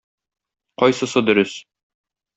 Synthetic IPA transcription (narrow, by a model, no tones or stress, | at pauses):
qɒjsɤsɤd̪ɵ̆ɾɵs